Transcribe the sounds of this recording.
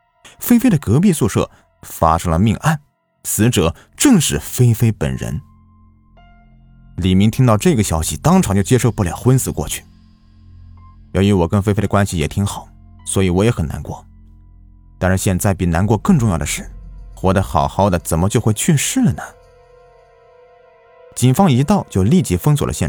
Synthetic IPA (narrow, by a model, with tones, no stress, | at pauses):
fe˥ɪfe˥ɪɾə˨kɤ˧˥pi˥˧su˥˧ʂɤ̰˥˩ | fa̰˥ʂɤ˥ŋlə̰˧mi˥˧ŋʔa˥˩n | sɹ̩˧˥ʈ͡ʂɤ˨˩˦ | ʈ͡ʂɤ˥˧ŋʂɻ̩˥˩fe˥ɪfe˥ɪpə̰˨˩nɻə̰˧˥n | li˨˩mi˧˥ŋt̪ʰi˥ŋt̪ɑ˥˧ʊʈ͡ʂɤ˥˩i˩ɡə˩ɕjɑ˥ʊɕi˨t̪ɑ˥ŋʈ͡ʂʰŋt͡ɕo˥˩ʊt͡ɕjɛ˥ʂo˥˧ʊpu˥˩ljɑ̰˨˩ʊxwə˥nsɹ̩˨˩kwɔ̰˥˧t͡ɕʰy̥˥˩ | jo˧˥ʊɥy˧˥wɔ˨˩kə˥nfe˥ɪfe˥ɪdə˨kwa˥nɕi˨jɛ˨˩t̪ʰi˧˥ŋxɑ˨˩˦ʊ | swɔ˧˥i˨˩wɔ˧˥jɛ˧˥xə˨˩na̰˧˥nkwɔ̰˥˩ | t̪a˥˧nʂɻ̩˥˧ɕjɛ˥˧nt͡sa˥˩ɪpi˨˥˩na˧˥nkwɔ˥˧kɤ˥˧ŋʈ͡ʂŋjɑ˥˩d̪ə˩ʂɻ̩˥˩xwɔ˧˥d̪ə˧xɑ̰˨˩ʊxɑ˥˩ʊd̪ə˩t͡sə˨˩nmə˦t͡ɕjo˥˧ʊxwe˥˧ɪt͡ɕʰɛ˥˧ʂɻ̩˥˩nə˩ | t͡ɕi˨˩nfɑ˥ŋi˧˥t̪ɑ˥˧ʊt͡ɕjo˥˧ʊli˥˩t͡ɕi˧˥fɤ˥ŋswɔ˨˩l̰ə̰˦ɕjɛ˥˧